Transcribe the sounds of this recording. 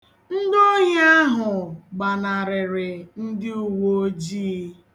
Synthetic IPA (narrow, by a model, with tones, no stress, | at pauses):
n̩˦do˦ɲe˦a˦ɦʊ˨ɡ͡ba˨na˨ɾɪ˨ɾɪ˨n̩˦dɪ˦u˦wo˦o˦d͡ʒiː˦